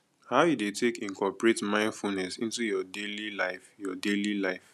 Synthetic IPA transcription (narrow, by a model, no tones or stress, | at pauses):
haʊjudetekĩnkʰɔpɹetmãɪ̃ndfulnɛsĩntujɔdelilaɪfjɔdelilaɪf